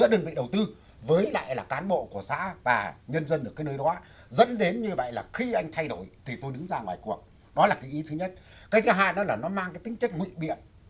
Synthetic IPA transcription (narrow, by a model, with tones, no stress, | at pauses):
ɨ̰˧˥əɗəː˧əŋvḭ˧˨ɗə˨˩wt̪ɨ˧ | vəː˨˦jla̰ː˧˨jlaː˨˩kaː˨˦nɓo̰˧˨ku˧˩əsa̰ː˧˥vaː˨˩ɲə˧nzə˧nɗkːaː˨˦jnəː˧jɗɔː˨˦ | zə̰˧˥nɗe˨˦nɲɨ˧və̰˧˨jlaː˨˩xi˧ʔa˧jŋ̟t̪ʰa˧jɗo˧˩jt̪ʰi˨˩t̪o˧jɗɨ˨˦ŋzaː˧ŋwaː˨˩jku˨˩ək̚ | ɗɔ˨˦laː˨˩kaː˨˦jʔi˨˦t̪ʰɨ˨˦ɲə˦˥t̚kaː˨˦jzaː˧ɦa̰ː˧˨nɗɔ˨˦laː˨˩nɔ˨˦maː˧ŋkaː˨˦jt̪ï˨˦ŋ̟t͡ɕə˦˥k̚ŋwḭ˧˨ɓḭ˧˨ən